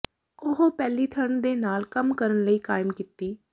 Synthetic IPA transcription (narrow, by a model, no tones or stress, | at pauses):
ʊɦopɛːliːt̪ʰəɳd̪eːnaːlkəmkəɾənləiːkaːɪmkiːt̪iː